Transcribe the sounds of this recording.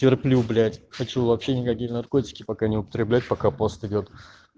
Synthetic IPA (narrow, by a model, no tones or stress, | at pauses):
tʲɪrplʲublʲætʲxɐt͡ɕuvɐpɕːenʲɪkɐkʲijnɐrko̞tʲɪ̥kʲɪpɐkanʲɪʊpə̥t̪ɾʲɪblʲæt̚ʲpɐkapost̪ɪdʲot̪